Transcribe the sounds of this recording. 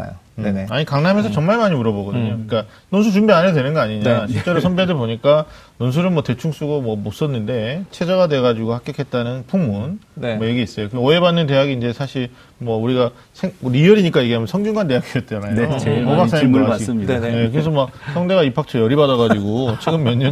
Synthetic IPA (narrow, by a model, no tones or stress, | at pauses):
a̰jo̰ | aɲikaŋnamensʰʌt͡ɕʌŋmaɭmaɲiuɾʌbʌɡʌdɯɲokɯɾik͈a | nonsʰut͡ɕumbianedwe̞nɯnɡʌaɲiɲaɕʰit͡ɕ͈e̞ɾosʰʌnbedɯɭboɲik͈a | nons̬ʰuɾɯnmwʌte̞t͡ɕʰuŋs͈uɡomwʌmos͈ʌnːɯnde̞t͡ɕʰe̞d͡ʑʌɡadwe̞ɡad͡ʑiɡohak͈jʌkʰe̞t̚t͈anɯnpʰuŋmunmʌjeɡiis͈ʌjokɯoebanːɯnt̬e̞jaɡiːnd͡ʑe̞sʰaɕʰiɾ | mwʌuɾiɡa | sʰeŋɾijʌɾiɲik͈ajeɡeamjʌnsʰʌŋɡjuŋɡant̬e̞jakʰiʌt̚t͡ɕ͈anajoobas͈aimʌaiaje̞kɯɾes̬ʰʌmak̚sʰʌŋde̞ɣaipʰak̚t͡ɕʰʌjʌɾibadʌɣad͡ʑiɡot͡ɕʰiɡɯmːjʌɲɯn